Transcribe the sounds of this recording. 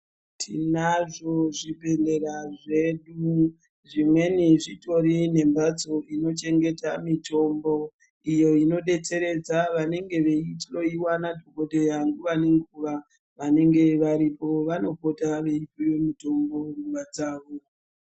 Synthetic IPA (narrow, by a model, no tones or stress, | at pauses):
tʰḭnaʐo̞ʐipe̞nde̞ɾaʐe̞ɗu | ʐimwe̞niʐito̞ɾine̞mbat͡so̞ino̞t͡ʃe̞ŋɡe̞tamito̞mbo̞ | ijo̞ino̞ɗe̞t͡se̞ɾe̞d͡zaʋane̞ŋɡe̞ʋe̞itiro̞iwanadʱoko̞ɗe̞jaŋɡuʋane̞ŋɡuʋa | ʋane̞ŋɡe̞ʋaɾipo̞ʋano̞po̞taʋe̞ipojomuto̞mbo̞ruʋad͡zaːʋo̞